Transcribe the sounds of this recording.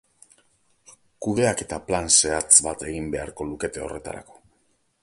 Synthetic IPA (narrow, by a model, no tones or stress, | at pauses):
kuðe̞ake̞t̪aplanse̞at͡sbat̪e̞ɣimbe̞aɾko̞luke̞t̪e̞o̞̰rʔe̞t̪a̰ɾa̰ko̞̥